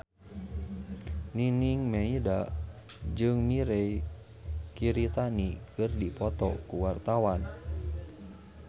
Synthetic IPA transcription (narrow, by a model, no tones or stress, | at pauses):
niniŋmɛida | d͡ʒɨŋmiɾɛi | kiɾit̪anikʰɨrdipɔt̪ɔ̰kuwart̪awan